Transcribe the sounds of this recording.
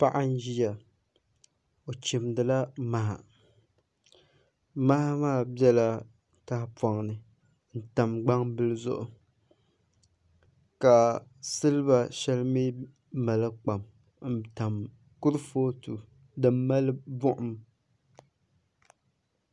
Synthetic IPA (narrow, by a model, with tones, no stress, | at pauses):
pa˦ʔa˦n˦ʒi˦ja˨ | o˨t͡ʃɪ˨mdɨ˨la˦ma˨ha̰˨ | ma˦maː˦˨bjɛ˦la˦ | ta˦hpwa˨ŋnɨ˨ | n̩˨ta˨mɡ͡ba˦ŋbɨ˦lɨ˦zʊ̰˦ʔʊ˨ | ka˨sɨ˦lɨ˦ba˨ʃɛ˦lmi˦ | ma˨lɨ˦k͡pa˨m | n̩˦˨ta˨m | kʊ˦ɾɨ˦foː˦tu˨ | dɨ˨mː˦a˦lɨ˦bʊ˦ʔʊ˨m